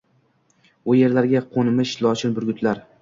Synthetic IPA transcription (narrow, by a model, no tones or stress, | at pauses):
ʊje̞ɾlaɾɡʲaqʰonɪmɪʃlˠɒt͡ʃɪnbʊɾɡʲʊt̪ʰlaɾ